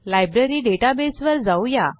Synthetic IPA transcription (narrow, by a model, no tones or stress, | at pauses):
lajbɾeɾiːɖeʈabesʋəɾd͡zawja